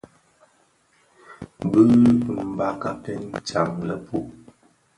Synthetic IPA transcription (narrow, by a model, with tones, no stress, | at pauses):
bə˦pɨ˨m̩˦ba˦ka˨kɛ˦n˦t͡ʃa˨ŋlə˨pu˦